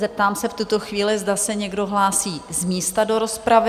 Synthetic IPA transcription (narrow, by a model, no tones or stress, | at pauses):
zɛp̚t̪aːmsɛft̪ut̪o̞xviːlɪzdasɛɲɛɡdo̞ɦlaːsiːzmiːst̪ado̞ɾo̞spɾavɪ